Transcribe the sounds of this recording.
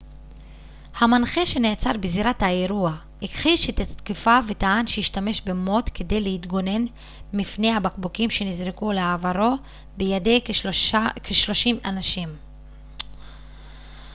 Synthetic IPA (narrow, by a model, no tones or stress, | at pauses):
hamanχeʃe̞neat͡saʁbeziɾathaeɾua | ikχiʃet̪att̪kifave̞taanʃejiʃtame̞ʃbe̞mo̞tkʰe̞de̞jle̞hit̪ɡo̞ne̞n | mifne̞habakbukimʃe̞nizʁikuleavaɾo̞ | bejade̞j | kʰeʃlo̞ʃimanaʃim